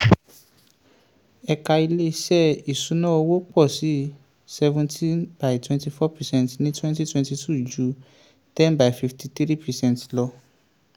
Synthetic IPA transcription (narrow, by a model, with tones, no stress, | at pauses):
ɛ˧ka˧i˧le˦˧ʃɛ˦˨i˨sũ˨˦nã˦o˧wo˦k͡pɔ˦˨si˨˦ | sɛ˧vũ˧ntʰĩ˦nba˨jtwɛ̃˦nti˧fɔ˦pɛ˨sɛ̃˦ntnĩ˦twɛ̃˦nti˦twɛ̃˧nti˧tu˦˨d͡ʒu˨˦ | tɛ̃˦nba˨i˨fi˧fti˧t̪ɾi˦pɛ˨sɛ̃˦ntlɔ˧